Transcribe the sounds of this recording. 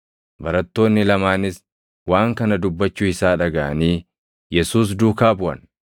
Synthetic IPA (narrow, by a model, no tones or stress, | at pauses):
bɐɾɐt̪ːo̞ːnːɪlɐmaːnɪs | waːŋkɐnɐd̪ʊbːɐt͡ʃːʊɪsaːᶑɐɡɐʔɐniː | jɛsuːs̬d̪uːkaːbʊʔɐ̰n